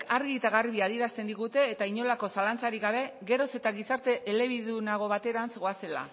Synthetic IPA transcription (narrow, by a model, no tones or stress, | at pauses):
kaɾɣit̪aɣaɾβiaðieɾast̪e̞nd̪iɣut̪e̞ːt̪aiɲo̞lako̞salant͡saɾiɣaβ̞e̞ɣe̞ɾo̞se̞t̪aɣisaɾt̪e̞ʔːle̞β̞iðunaɣ̞o̞βat̪e̞ɾansɣo̞ase̞la̰